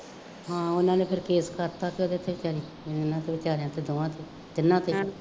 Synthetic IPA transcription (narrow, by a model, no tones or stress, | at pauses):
ɦãːʊnãːneːpʰɪɾkeːskəɾt̪aːkeoːd̪eːt̪ʰːeːʋɪt͡ʃaːɾiː | ɪnãːt̪eːʋɪt͡ʃaːɾejãːt̪eːd̪oːãːt̪eː | d̪ɪnːãːt̪eː